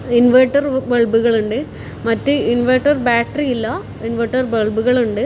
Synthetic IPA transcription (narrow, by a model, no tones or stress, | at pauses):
inʋɐʈːɐrʋeɭbuɣɐɭuɳɖɨ | mɐtːɨinʋɐʈːɐrbaːʈɐɾiilːɐ | inʋɐʈːɐrbeɭbuɣɐɭuɳɖɯ